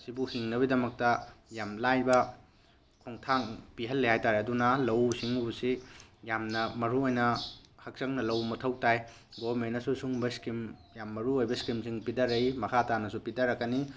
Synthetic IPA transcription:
sibuhiŋnɐbidɐmɐk̚tɐjamlajbɐ | kʰoŋtʰaŋpiɦɐlːehajtaɾeɐdunɐlɐwsiŋusijamnɐmɐɾuojnɐhɐk̚sɐŋnɐlɐwmɐtʰɐwtaj | ɡomenɐsusuŋbɐskimjamːɐɾuojbɐskimsiŋpidɐɾɐjmɐkʰatanɐsupidɐɾɐkːɐni

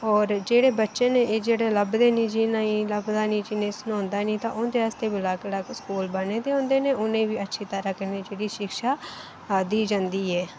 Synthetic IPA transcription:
ɔːɾd͡ʒeːɽeːbətːʃẽːneːeːd͡ʒeːɽeːləbd̪eːnĩːd͡ʒiːnaːĩːləbd̪aːnĩːd͡ʒɪnẽːsnõːnd̪aːnĩːt̪ãːʊnd̪eːaːst̪eːbɪlaːklaːkskuːlbəneːd̪eːɦõːnd̪eːneːʔʊnẽːʋiːətːʃʰiːt̪əɾaːkəɾneːd͡ʒeːɽiːʃɪkʃaː | d̪iːd͡ʒãːnd̪iːɦɛː

